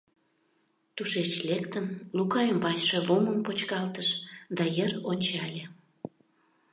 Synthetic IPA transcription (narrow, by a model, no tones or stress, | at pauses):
t̪uʃet͡ɕlekt̪ənlukɑjəmbɑt͡ɕʃeluməmpot͡ɕkɑlt̪əʃd̪ɑjəronʲt͡ɕɑlʲe